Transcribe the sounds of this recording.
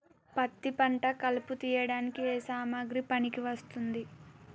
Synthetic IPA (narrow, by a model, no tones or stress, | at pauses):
pɐt̪ːipɐɳʈɐkɐluput̪iːjɐɽaːnikieːsaːmaːɡɾipɐnikiʋɐst̪und̪i